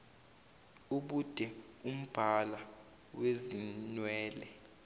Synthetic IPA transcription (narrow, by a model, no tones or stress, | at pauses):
uɓud̥ʱɛum̩b̥ʱala | wezinwɛːlɛ